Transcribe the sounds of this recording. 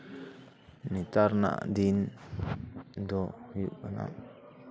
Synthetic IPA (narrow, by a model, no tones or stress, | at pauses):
nit̪aɾna̰ʔd̪in | d̪ɔjuʔana̰